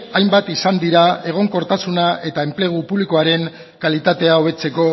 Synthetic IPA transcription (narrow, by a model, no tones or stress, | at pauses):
ajmbat̪isand̪iɾae̞ɣ̞o̞ŋko̞ɾt̪asunae̞t̪aemple̞ɣ̞upuβliko̞aɾe̞ŋ | kalit̪at̪e̞ao̞β̞e̞t͡se̞ko̞